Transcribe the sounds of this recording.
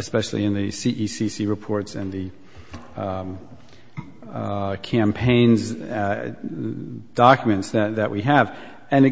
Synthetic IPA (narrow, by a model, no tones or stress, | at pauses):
ɨspɛʃl̩ˠḭɨ̃nðɨsiʔisisiɹɨpʰɔɹtsɨ̃nðɨ | kʰæ̃mpʰẽɪ̃nz | d̥ɑkjmɨ̃ntsðɨt̪̚ðɨʔwiɨv | ɨ̃nɨ